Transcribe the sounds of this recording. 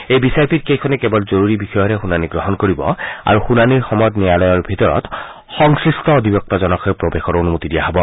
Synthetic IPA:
ejbisaɹpʰit̚kejkʰɔnɛkɛbɔlzoɹuɹibixɔjɔɾɛxunaniɡɹɔɦɔnkoɹibɔ̰a̰ɹuxunaniɹxɔmɔt̪nijalɔjɔɹbʱit̪ɔɹɔ̰t̪ | xɔŋsɹistɔod̪ʱibjɔk̚t̪azɔnɔkʰɔjpɹobexɔɹonumot̪idijaɦɔbɔ

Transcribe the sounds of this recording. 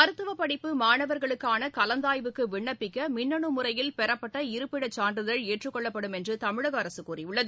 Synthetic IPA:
ɐɾɯt̪ːɯʋɐpːɐɽɪpːɯmaːɳɐʋɐɾɣɐɭɯkːaːnɐkɐlɐnd̪aːjʋɯkːɯʋɪɳːɐpːɪkːɐmɪɳːɐɳɯmʊrɐjɪlpɛɾɐpːɐʈːɐɪɾɯpːɪɽɐt͡ʃːaːnɖrɯðɐɭeːʈrɯkːɔɭːɐpːɐɽɯmɛndrɯt̪ɐmɪɻɐɣɐːɾɐsɯkːuːrijʊɭːɐðɯ

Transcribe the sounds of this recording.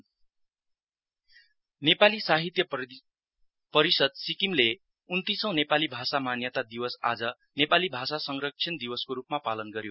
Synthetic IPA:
nepalisaɦit̪jʌ | pʌɾisʌd̪̚sikimle | unt̪isʌ̃w̃nepalibʱasamanjʌt̪ad̪iwʌsa̰d͡zʌ | nepalibʱasasʌŋrʌk̚t͡sʰind̪iwʌskoɾupmapalʌnɡʌɾjo

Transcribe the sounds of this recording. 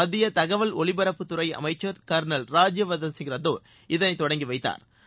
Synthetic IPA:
ɐðɪjɐt̪ɐɣɐʋɐlɔɭɪbɐɾɐpːɯt̪ʊɾɐɪɐ̰mɐɪt͡ʃːɐɾkɐɾnɐlɾaːd͡ʒjɐʋɐðɐnsɪŋɡɪɾɐðoː | ɪðɐnɐɪt̪ːɔɽɐŋɡiʋɐɪt̪ːa̰ːɾ

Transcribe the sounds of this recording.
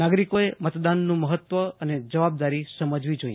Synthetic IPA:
naɡɾikoemət̪d̪anːũməɦət̪ʋəəned͡ʒəʋab̚d̪aɾisəməd͡ʒʋid͡ʒoḭ

